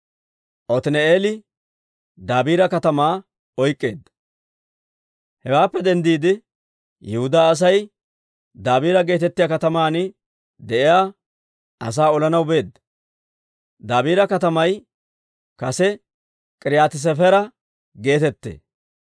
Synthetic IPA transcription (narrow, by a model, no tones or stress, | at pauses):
ʔɔt̪ɪnɛeːlɪ | d̪aːbiːɾɐkɐt̪ɐmaː | ɔjkʼːe̞̰ːd̪ːɐ | hɛwaːpːɛd̪ɛnd̪iːd̪ɪ | jɛhʊd̪aːs̬ɐj | d̪aːbiːɾɐɡe̞ːt̪ɛt̪ːɪjaːkɐt̪ɐmaːnɪ | d̪ɛʔɪjaː | ɐ̰s̬aːɔlɐnɐwbe̞ːd̪ːɐ | d̪aːbiːɾɐkɐt̪ɐmɐj | kɐsɛ | kʼɪɾɪjaːt̪ɪs̬ɛfɛɾɐ | ɡe̞ːt̪ɛt̪ːḛː